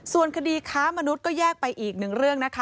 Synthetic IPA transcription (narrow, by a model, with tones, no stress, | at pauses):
su˨˩ənkʰa˧diː˧kʰaː˦˥ma˧nu˦˥t̪̚kɔː˥˩jɛː˥˩k̚pa˧jʔiː˨˩k̚nɯ˨˩ŋɾɯ˥˩əŋna˦˥kʰa˦˥